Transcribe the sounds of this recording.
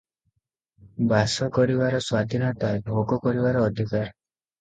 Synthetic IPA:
basɔkɔɾibaɾɔswad̪ʱinɔʈaɖʱokɔkɔɾibaɾɔːd̪ʱikaɾ

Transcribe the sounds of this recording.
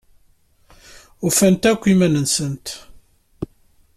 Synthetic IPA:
ufænt̪ækʷːimænənsənt̪

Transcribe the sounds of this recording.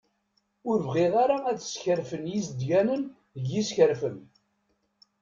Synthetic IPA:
ʊɾvʁɪʁaɾaæt͡sə̥sçəɾfənjisd̪ʝænən | əɡːisçəɾfən

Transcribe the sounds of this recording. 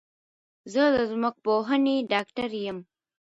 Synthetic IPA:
zəd̪əzmʊk̚poɦəneɖɑːkʈaɾjəm

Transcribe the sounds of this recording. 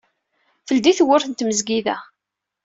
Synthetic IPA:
fəld̪iθwʊɾθənt̪məzɡiðæ̰

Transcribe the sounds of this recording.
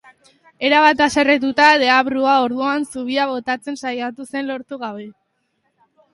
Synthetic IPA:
e̞ɾaβat̪ase̞ret̪̬ut̪aðe̞aβɾuao̞ɾðuansuβ̞iaβ̞o̞t̪at͡se̞nsajat̪use̞nlo̞ɾt̪uɣaβe̞

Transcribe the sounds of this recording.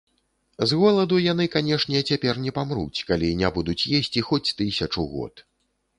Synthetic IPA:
zɣɔlˠɐd̪ujan̪ɨkanʲɛʂnʲɛt͡sʲapʲɛrnʲɛpamɾṵt͡sʲkalʲinʲabud̪ut͡sʲjesʲt͡sʲixɔt͡sʲt̪ɨsʲɐt͡ʂuɣɔ̰t̪

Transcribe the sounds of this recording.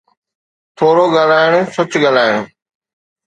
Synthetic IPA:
t̪ʰoːɾoɡaːl̤aːɪɽ̃ʊsɐt͡ɕɠaːl̤aːɪɽ̃ʊ

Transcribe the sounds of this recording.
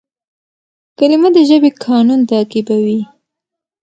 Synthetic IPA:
kalimad̪əʒəbekʰɑnunt̪akibawi

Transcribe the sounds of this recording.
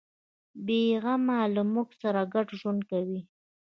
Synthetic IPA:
beɣamalamuksaɾaɡaʈʒwʊnd̪̚kawi

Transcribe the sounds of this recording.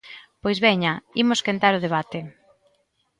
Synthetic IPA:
pojzβɛɲɐimʊskent̪aɾʊð̞eβ̞at̪ɪ

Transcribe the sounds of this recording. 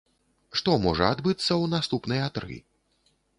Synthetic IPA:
ʂt̪ɔmɔʐɐad̪bɨt̪sːɐwnast̪upnɨjat̪ɾɨ̰

